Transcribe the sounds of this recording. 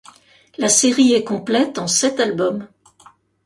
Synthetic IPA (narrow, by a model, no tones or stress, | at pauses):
laseʁiɛkɔ̃plɛt̪ɑ̃sɛt̪albɔm